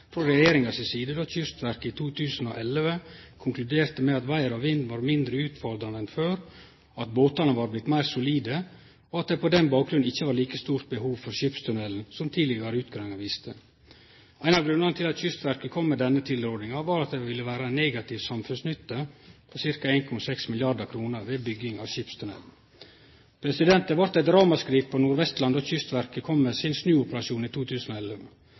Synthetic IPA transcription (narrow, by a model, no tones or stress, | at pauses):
fɾɔɾɛjeːɾɪŋɑsɪsiːd̪əd̪oːçʏst̪ʋæɾkɪt̪ʰuːt̪ʰʉːsəno̰ʔɛlʋəkʰʊŋklʉd̪eːɾt̪əmɛɑt̪ʋæɪəɾɑʋɪnd̪ʋɑːɾmɪnd̪ɾəʉːt̪fɔld̪ɾɑnəɛnføːɾ | ɑt̪boːt̪ɑnəʋɑːɾblɪt̪mæɪɾsʊliːd̪ə | ɔɑt̪̚d̪ɛpɔd̪ɛnbɑːk̚ɡɾʉnɪçːəʋɑːɾliːkəst̪uːɾt̪̚bəhuːʋfɔɾɕʏpst̪ʰʉnɛln̩sɔmt̪ʰiːd̪lɪɡɑɾəʉːt̪ɡɾɑŋɑʋɪst̪ʰə | æɪnɑʋɡɾʉnːɑnət̪ʰɪlɑt̪çʏst̪ʋæɾkəkʰɔmːɛd̪ɛnːət̪ʰɪld̪ɾoːɖ̪ɪŋɑʋɑːɾɑt̪̚d̪ɛʋɪlːəʋæːɾəæɪneːɡɑt̪ɪʋsɑmfʉnsnʏt̪ːəpʰɔsɪɾkɑeːnkʰɔmɑsɛksmɪljɑɖəɾkʰɾuːnəɾʋeːbʏɡɪŋɑʋɕɪpst̪ʰʉnɛ̰ln̩ | pʰɾɛsɪd̪ɛnt̪əʋɑɾt̪æt̪̚d̪ɾɑːmɑskɾiːtpʰɔnuːɾʋɛst̪lɑnd̪oːçʏst̪ʋæɾkəkʰɔmːesɪnsnʉːʊpəɾɑʃuːniːt̪ʰuːt̪ʰʉːsnɔɛlːə